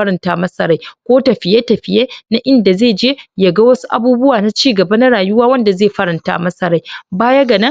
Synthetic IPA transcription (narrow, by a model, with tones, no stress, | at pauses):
ɐ˦ɾɐ˨ntaː˦mɐ˦sɐ˦˨ɾa˦jkʷoː˦tɐ˨ɸɪ˨je˦tɐ˨ɸɪ˨jeː˦na˦ʔɪ˦nda˨zeː˦˨d͡ʒeː˦jɐ˨ɡa˦wɐ˦su˦ʔa̰˨buː˦bʊ˦waː˨na˦t͡ʃiː˦ɡɐ˨bɐ˦na˦ɽaː˨jʊ˦waː˦wɐ˦nda˨zeː˦˨ɸɐ˦ɾɐ˨nta̰ː˦mɐ˦sɐ˦˨ɾa˦jbaː˦jɐ˦ɡɐ˨nɐ˦